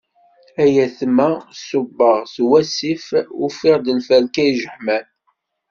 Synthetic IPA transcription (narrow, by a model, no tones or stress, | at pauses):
æjæθmːæsʊbːɑʁθwæsifufɪʁd̪ənfælkæjʒəħmæn